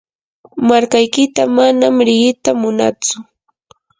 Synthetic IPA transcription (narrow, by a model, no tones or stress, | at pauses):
maɾkajkɪt̪amanamɾɪɢɪt̪amʊna̰t͡sʊ